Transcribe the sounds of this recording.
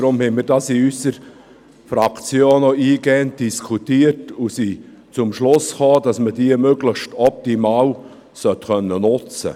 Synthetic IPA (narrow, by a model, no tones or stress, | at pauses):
ɾʊmhɛmiːɾdɑːsiysəɾ | fɾɑkt͡sjoːnɔiːɡ̥ɛːnt̚d̥iskʰutiːəɾtusiː | t͡sʊmʃlʊsχɑːd̥ɑsməd̥iːəmøɡləçʃtɔp̚timaːw | sœtkœnːənʊt͡sə̰